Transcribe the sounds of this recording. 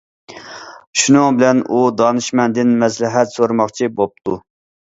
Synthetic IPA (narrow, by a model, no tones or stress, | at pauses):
ʃunɨŋbɪlɛnud̪ɑnɨʃmɛnd̪ɪnmɛs̬lɪɦɛt̪soɾmɑχt͡ʃʰibop̚t̪ʰu